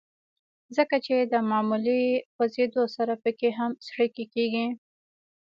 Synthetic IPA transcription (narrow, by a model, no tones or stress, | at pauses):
zəkat͡ʃed̪əmɑmulipəzed̪osaɾapəkeɦamsɽəkekeɡi